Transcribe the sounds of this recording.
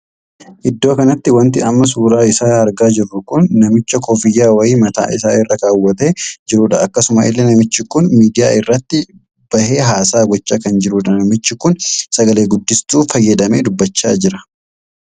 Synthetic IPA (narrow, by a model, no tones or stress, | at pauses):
ʔɪd̪ːo̞ːkɐnɐt̪ːɪwɐnt̪ɪɐmːɐsuːɾaːɪsaːɐɾɡaːd͡ʒɪrːʊkʊnːɐmɪt͡ʃːɐkɔːfɪjːaːwɐiːmɐt̪a̰ːɪs̬aːɪrːɐkaːwːɐt̪e̞ːd͡ʒɪɾuːᶑɐɐkːɐsʊmɐʔɪ̰lːɛnɐmɪt͡ʃːɪkʊnmiːd̪ɪja̰ːɪrːɐt̪ːɪ | b̥ɐhe̞ːɦaːsaːɡɔt͡ʃːaːkɐnd͡ʒɪɾuːᶑɐnɐmɪt͡ʃːɪkʊnsɐɡɐleːɡʊd̪ːɪst̪uːfɐjːɛd̪ɐmḛːd̪ʊbːɐt͡ʃːa̰ːd͡ʒɪɾɐ̥